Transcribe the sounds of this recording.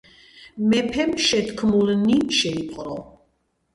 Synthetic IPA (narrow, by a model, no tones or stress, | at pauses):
mɛpʰɛmʃɛt̪kʰmulniʃɛiqqʼɾɔ